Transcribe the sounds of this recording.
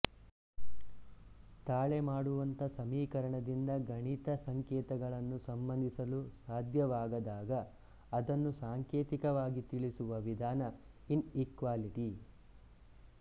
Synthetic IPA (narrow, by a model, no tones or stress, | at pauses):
t̪aːɭemaːɽuʋɐnt̪ɐsɐmiːkɐɾɐɳɐd̪ind̪ɐɡʱɐɳit̪ɐsɐŋkɛːt̪ɐɡɐɭɐnːusɐmbɐnd̪ʱisɐlusaːd̪ʱjɐʋaːɡɐd̪aːɡɐː | d̪ɐnːusaːŋkeːt̪ikɐʋaːɡit̪iɭisuʋɐʋid̪ʱaːnɐ | inikʋaːliʈi